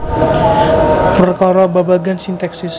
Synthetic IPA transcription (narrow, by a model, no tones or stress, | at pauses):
pərkɔɾɔbabaɡansint̪ɛksis